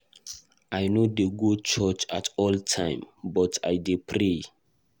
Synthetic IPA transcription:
ʔajnodeɡud̚t͡ʃɔt͡ʃatɔltʰãjmbɔtʰa̰jdepʰɹe

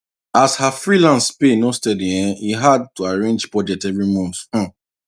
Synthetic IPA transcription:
ashafɹilãnspenostɛdĩɛ̃iɦad̚tuaɹẽnd͡ʒpɔd͡ʒɛtɛvɹimɔ̃nt̩

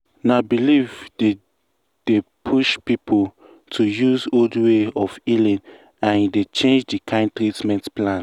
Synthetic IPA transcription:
nabilivde | d̥epʰuʃpipʰol | tʰujuzoldweɔfilĩn | ãndet͡ʃẽnd͡ʒdikʰãɪ̃ntɾitmɛ̃ntplãn

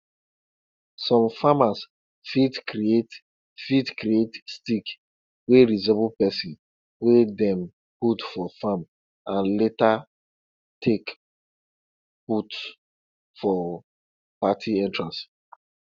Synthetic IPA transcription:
sɔ̃mfamas | fidkɾiet | fidkɾietstik | weɾizɛblpɛsĩn | wedɛ̃m | putfɔfam | ãnleta | tʰek | put | fɔ | patʰiɛ̃ntɹãs

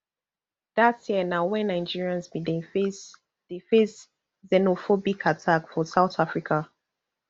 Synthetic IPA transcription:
d̥atsjɛnawɛ̃nãɪd͡ʒiɹiãnsbid | defes | zɛnofɔbikʰatʰakfɔsaʊtafɹikʰa

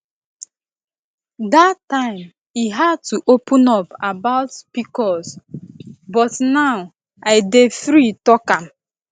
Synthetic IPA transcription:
datːãɪ̃m | iɦad̚tuʔopũnɔpabaʊtpikɔs | bɔtnaʊ | aɪdefɾitɔkãm

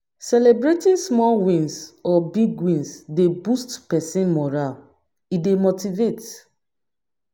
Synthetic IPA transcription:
sɛlebɹetĩnsmɔlwĩnsɔbiɡwĩnsdebustpɛsĩnmɔɹal | idemotivet

